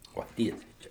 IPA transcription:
oː ˈtʲiɛsʲɛɪ ˈt͡ʃʲɛ

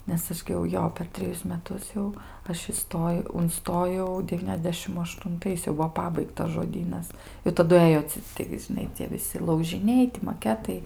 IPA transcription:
nʲɛs ˈɐʃ ɡʲɪ jɛʊ ˈjoː pʲɛr tʲrʲɛˈjʊs mʲɛˈtʊs jɛʊ ˈɐʃ ɪˈstoːjɛʊ ʊnˈstoːjɛʊ dʲɛˈʋʲiːnʲɛzʲdʲɛʃʲɪm ɐʃtʊnˈtɐɪs jɛʊ ˈbʊʋoː ˈpɑːbɐɪktɐs ʒoːˈdʲiːnɐs ɪ tɐˈdʊ ˈɘjoː t͡sʲɪ ˈtɐɪɡʲɪ ʒʲɪˈnɐɪ t͡sʲiɛ ʋʲɪˈsʲɪ lˠɐʊʒʲɪˈnʲɛɪ tʲɪ mɐˈkʲæːtɐɪ

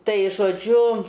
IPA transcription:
ˈtɐɪ ʒoːˈd͡ʒʲʊ

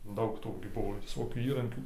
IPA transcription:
ˈdɐʊk ˈtuː ɡʲɪ ˈbʊʋoː ʋʲɪˈsoːkʲuː ˈiːrɐŋʲkʲuː

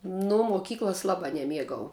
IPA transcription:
ˈnʊ moːˈkʲiːklˠɐs ˈlˠɑːbɑː nʲɛˈmʲiɛɡɐʊ

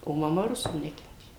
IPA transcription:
oː mɐˈmɐ ˈrʊsuː ˈnʲæːkʲɛnʲtʲeː

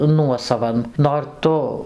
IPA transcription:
ˈnuɔsɐʋɐn noːr ˈtʊ

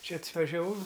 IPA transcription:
ˈt͡ʃʲɛ ɐtʋɐʒʲɛˈʋɐʊ

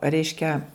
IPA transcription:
ˈrʲɛɪʃʲkʲɛ

